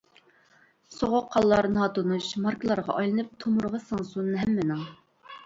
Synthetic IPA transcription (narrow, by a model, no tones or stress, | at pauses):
soʁʊqʰːɑlˠːɑɾnɑːt̪onuʃmɑɾkʰlˠɑɾʁɑ̰ʔɑjlˠɨnɨp̚t̪ʰomuɾʁəsɨŋsunɦɛmːɛnɨŋ